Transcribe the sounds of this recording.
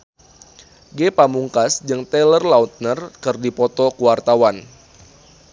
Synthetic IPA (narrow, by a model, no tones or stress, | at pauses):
ɡepamuŋkasd͡ʒɨŋt̪ɛlərlaut̪̚nərkɨrdipɔt̪ɔkuwart̪awan